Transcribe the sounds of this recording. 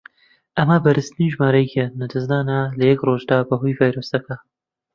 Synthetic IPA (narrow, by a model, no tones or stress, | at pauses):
ʔɐmɐbɐɾɨst̪niʒmaːɾɐjkɛnɐd̪ɨznaːnalɐjɛkroːʒd̪aːbɐɦujvaːjɾoːsɐkɐ